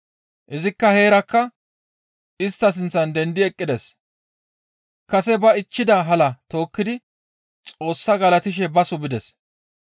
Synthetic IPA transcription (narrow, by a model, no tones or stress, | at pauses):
ʔɪzɪkːɐhe̞ːɾɐkːɐ | ɪst̪ːɐs̬ɪnt͡sːɐnd̪ɛnd̪ɪɛkʼːɪd̪ɛs | kɐsɛbɐɪt͡ʃːɪd̪ɐɦɐlɐt̪o̞ːkːɪd̪ɪ | t͡sʼo̞ːsːɐɡɐlɐt̪ɪʃ̬ɛbɐsʊbɪd̪ɛs